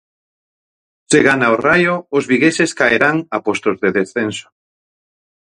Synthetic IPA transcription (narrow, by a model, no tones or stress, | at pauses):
seɣanaorajoːzβiɣeseskaeɾaŋapost̪ozðeðesθenso̥